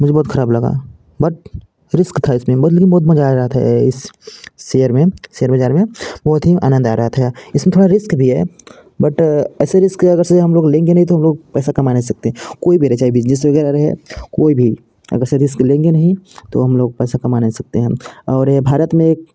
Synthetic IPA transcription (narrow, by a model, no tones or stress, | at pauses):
mʊd͡ʒʱebɔːt̪xʰɐɾaːblɐɡa̰ | bɐʈ̚ | ɾɪskt̪ʰaɪsmẽbt̪lekɪnbɔːt̪̬̚bɐd͡ʒaːɾɐɦət̪ɦɛ̰ɪsː | ejəɾmẽsejəɾbɐd͡ʒaːɾmẽbɔːt̪ɦia̰ːnə̃nd̪aːɾɐɦət̪ʰɦɛɪsmẽt̪ʰoːɽaɾɪskbʱiɦɛ̰ | bɐʈɛːseɾɪskɐɡəɾseɦɐmloːɡlẽːŋɡenɐɦit̪oɦɐmloːɡ̚pɛːsakɐmaːnesɐk̚t̪eɦɛ̃koːibʱiɾɐt͡ʃaːibɪd͡ʒnes̬ʋɐɡɛːɾaɾɐɦɛ̰koːibʱi | ɐ̰ɡəɾseɾɪsklẽːŋɡenɐɦĩt̪o̰ɦɐmloːɡ̚pɛːsakɐmaːnesɐk̚t̪eɦɛ̃ɔːɾbʱaːɾət̪mẽːk̚